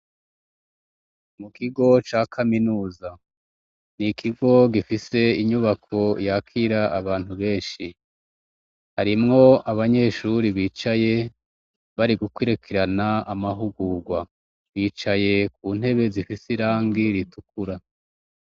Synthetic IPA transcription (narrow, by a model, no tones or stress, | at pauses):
mukiɡo̞t͡ʃaːkʰaminuːza | nikʰiɡo̞ɡifise̞iɲuβakʰo̞jakʰiɾaʔːβaːn̥huβe̞ːnʃi | haɾimŋo̞aβaɲe̞ːʃuɾiβiːt͡ʃaje̞ | βaɾiɡukweɾekʰeɾanaːmaɦuɡuːɡwa | βiːt͡ʃaje̞kuːn̥he̞βe̞zifisiɾaːŋɡiɾitukuɾa